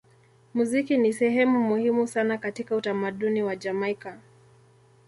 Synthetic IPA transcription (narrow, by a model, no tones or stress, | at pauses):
muzikinisɛɦɛmumuhimusanakatikautamaɗuniwad͡ʒamaika